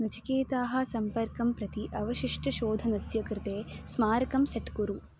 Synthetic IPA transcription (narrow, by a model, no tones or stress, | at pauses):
nɐt͡ʃikeːt̪aːɦɐ̆sɐmpɐɾkɐmpɾɐt̪iʔɐʋɐʃiʂʈɐʃoːd̪ʱɐnɐsjɐkɾɪt̪eːsmaːɾɐkɐmsɐʈkuɾu